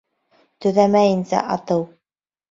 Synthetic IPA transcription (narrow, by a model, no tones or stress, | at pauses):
t̪ɵ̆ðæmæjɘ̆nsæ̰ʔɑt̪ɤw